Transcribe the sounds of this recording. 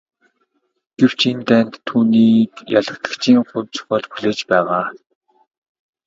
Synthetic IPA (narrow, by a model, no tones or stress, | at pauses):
ɡ̥ew̥t͡ɕʰent̪æːnt̪ʰːuːniːkjaɮə̆kt̪ə̥̆kt͡ɕʰiːŋχʊmt͡sʰʊ̥χɔːɮpuɮeːt͡ɕpæːʁaː